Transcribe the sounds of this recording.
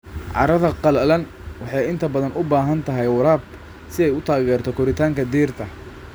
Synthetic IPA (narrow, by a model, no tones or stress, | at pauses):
ʕɑ̰ɾɐðɐqɑlɐlɐn | wɑħɑjɪnt̪ʰɐbɐðɐnʔʊbaːɦɐnt̪ʰɐɦɛjwɑɾaːb | sɪɛjʊt̪ʰaːɣɛːrt̪ʰɔkʰʊɾɪt̪ʰaːŋkʰɐd̪iːrt̪ʰɐ